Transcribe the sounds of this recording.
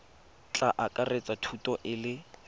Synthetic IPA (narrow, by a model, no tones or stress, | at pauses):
t͡ɬʼaʔakʼaret͡sʼatʰutʼɔʔɪlɪ